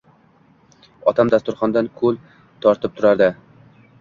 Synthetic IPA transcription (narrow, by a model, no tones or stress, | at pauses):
ɒt̪ʰamd̪ast̪ʊɾχɒnd̪ankʰɵlˠ | t̪ʰɒɾt̪ʰɪp̚t̪ʰʊɾaɾd̪ɪ